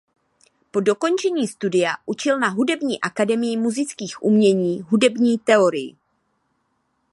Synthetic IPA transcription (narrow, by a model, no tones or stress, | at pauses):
po̞do̞ko̞nt͡ʃɛɲiːst̪udɪjaʔut͡ʃɪlnaɦudɛbɲiːʔakadɛmɪjɪmuzɪt͡skiːxʔṵmɲɛɲiːɦudɛbɲiːt̪ɛo̞ɾɪjɪ̰